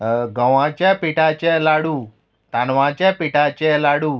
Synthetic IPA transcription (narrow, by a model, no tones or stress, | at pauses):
ɡəʋãːt͡ʃɛpiːʈaːt͡ʃɛːlaːɽuː | t̪aːnʋãːt͡ʃɛːpiːʈaːt͡ʃɛːlaːɽuː